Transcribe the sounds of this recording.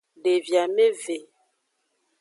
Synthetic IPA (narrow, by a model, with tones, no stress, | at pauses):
ɖe˨vja˨me˦ve˨